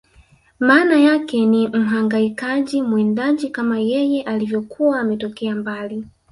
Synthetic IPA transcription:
maːnajakɛnim̩ɦaŋɡaikaʄimwɛndaʄikamajɛjɛʔalivjɔkʰuwaːmɛtɔkɛambali

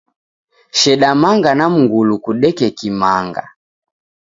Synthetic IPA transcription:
ʃɛɗamaŋɡanam̩ŋɡulukuɗɛkɛkimaŋɡa̰

